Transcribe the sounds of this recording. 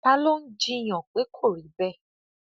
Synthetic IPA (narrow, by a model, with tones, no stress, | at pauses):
pa˦lo˦n̩˦d͡ʒi˦˧j̃ɔ̃˨k͡pe˨˦kʰo˦˨ɾi˨˦bɛ˦˨